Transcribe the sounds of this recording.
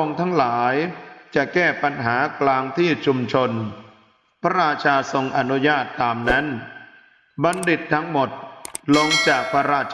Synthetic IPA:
o˧ŋt̪ʰa˦˥ŋlaː˩˦jt͡ɕa˨˩kɛː˥˩pa˧nɦaː˩˦klaː˧ŋt̪ʰiː˥˩t͡ɕʰu˧mt͡ɕʰo˧n | pʰa˦˥ɾaː˧t̚t͡ɕʰaː˧so˧ŋʔa˧nu˦˥jaː˥˩t̪ːaː˧mna˦˥n | ba˧nde˨˩t̪ʰːa˦˥ŋmo˨˩t̪̚lo˧ŋt͡ɕaː˨˩k̚pʰa˦˥ɾaː˥˩

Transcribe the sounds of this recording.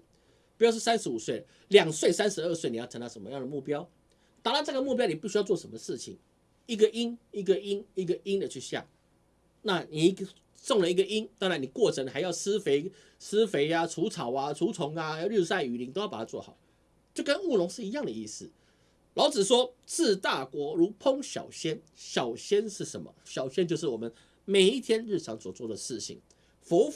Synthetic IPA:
pi˧˩jʂ̬̩˥˩sa˦˥nʂɻ̩˧˥u˨˩swe˥˩ɪ | ljɑ˨˩ŋswe˥˩ɪsa˥nʂɻ̩˧˦ə˥˧swe˥˩ɪni˨˩jʰə˧˦ŋna˧˥˩ʂə˧˩mə˦jɑ˥˩ŋd̪ə˩mu˥˩pjɑ˥ʊ | t̪a˨˩a˥ʈ͡ʂaə˥˩ɡə˨˩mu˥˩p̬jɑ˥ni˨˩pu˥˩ɕy˥jʊt͡swɔ˥˩ʂə˧˦nmə˧ʂɻ̩˥˩t͡ɕʰḭ˨˩ŋ | i˥˩ɡə˨ʔi˦ni˥˩ɡə˨i˦˥ni˥˩ɡə˨i˦˥nd̪ə˨t͡ɕʰy˥˧ɕjɑ̰˥˩ŋ | na˥˨˩ni˨˩˥ | sɔ˥˩ŋlə˨˩i˧˥ɡə˨ʔi˦nt̪ɑ˥ŋɻa˧˦ni˨˩kwɔ˥˩ʈ͡ʂʰə˧˦ŋxa˧˥ɪjɑ˥˩ʊsɹ̩˥fe˧˥ɪ | sɹ̩˥fe˧˥ɪa˧ʈ͡ʂʰu˧˥t͡sʰɑ˨˩ʊa˦t͡sʰu˧˥t͡sʰʊ˧˥ŋa˧ɻu˥˧sa˥˧ɪy˨˩li˧˥ŋt̪o˥jpa˨˩a˦˥t͡swɔ̰˥˩xɑ̰˨˦ʊ | t͡ɕo˥˩kə˦˥nu˥˩lʊ˧˥ŋʂɻ̩˥˩i˧˦jɑ˥˩ŋd̪ə˩i˥˧˩sɹ̩˥˩ | lɑ˧˥ʊt͡sɹ̩˨˩ʂwɔ˥t͡sʰɹ̩˥˧t̪a˥˩kwɔ˧˥ɻu˧˥pʰʊ˦˥ŋɕjɑ̰˨˩ʊɕjɛ˦n | ɕjɑ˨˩ʊɕjɛ˥nʂɻ̩˥˩ʂə˧˥nmə̰˨ɕjɑ˨˩ʊɕjɛ˥nt͡ɕjo˥˧ʊʂ̬ɻ̩˥˩wɔ˨˩mə˦n | me˨˩ɪi˥˩t̪ʰjɛ˥nɻ̩˥˩ʈ͡ʂʰɑ˧˥ŋswɔ˨˩t͡swɔ˥˩d̪ə˩ʂɻ̩˥˩ɕʰḭ˨˩ŋ | fo˧˥

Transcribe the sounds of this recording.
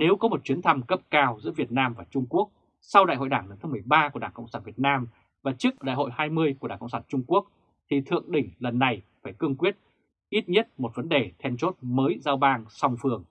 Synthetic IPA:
ne˨˦wkɔ˨˦mo˨˩t̚t͡ɕwi˨˦ənt̪ʰa˧mkə˦˥p̚kaː˧wzɨ̰˧˥əvi˨˩ət̚naː˧mvaː˨˩t͡ɕʊ˧ŋ͡mku˦˥ək̚ | sa˧wɗa̰˧˨ho̰˧˨jɗaː˧˩ŋlə˨˦t̪ʰa˨˦mɨ˨˩əjɓaː˧ku˧˩ɗaː˧˩kə̰˧˨wŋ͡msaː˧˩nvi˨˩ət̚naː˧m | vaː˨˩t͡ɕɨ˦˥ək̚ɗa̰ː˧˨jɦo̰˧˨jhaː˧jmɨ˧əjku˧˩əɗaː˧˩kə̰˧˨ŋ͡msaː˧˩nt͡ɕʊ˧ŋ͡mku˦˥ək̚ | t̪ʰi˨˩t̪ʰɨ̰˧˨əŋɗï˧˩ŋ̟lə˨˩nːa˨˩jfaː˧˩jkɨ˧əŋkwi˦˥ət̚ | ʔi˦˥t̚ɲə˦˥t̚mo˨˩t̚və˨˦nɗe˨˩t̪ʰɛ˧nt͡ɕo˦˥t̚məː˨˦jzaː˧wɓaː˧ŋsa˧wŋ͡mfɨ˨˩əŋ

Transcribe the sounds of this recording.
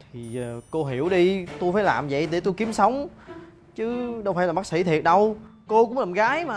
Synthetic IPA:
t̪ʰi˨˩˨ko˧ɦi˧˩əwɗi˧t̪u˧jfaː˧˦jla̰ː˨˩mzə̰˧˨jɗe˧˩˦t̪u˧jki˨˦əmsə˨˦wŋ͡m | t͡ɕɨ˨˦ɗə˧wfaː˧˩jlaː˨˩ɓa˦˥sḭ˧˥t̪ʰi˨˩ət̚ɗə˧wko˧kʊ̰˧˥ŋ͡mlaː˨˩mɣaː˨˦jmaː˨

